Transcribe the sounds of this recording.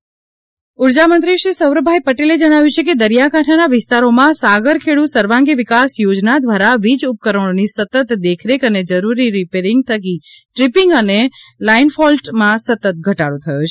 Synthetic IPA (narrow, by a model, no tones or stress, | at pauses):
uɾd͡ʒamənt̪ɾiʃisəwɾəbʱajpəʈeled͡ʒəɽ̃aʋjũt͡ʃʰeked̪əɾjakaʈʰanaʋɪst̪aɾomãsaɡəɾkʰeɭusəɾʋãŋɡiʋɪkasjod͡ʒnad̪ʋaɾaʋid͡ʒup̚kəɾəɽ̃onisət̪ət̪d̪ekʰɾekəned͡ʒəɾuɾiɾipeɾɪŋɡ̚t̪ʰəɡiʈɾipiŋɡənelainfɔlʈmãsət̪ət̪̚ɡʱəʈaɾot̪ʰəjot͡ʃʰe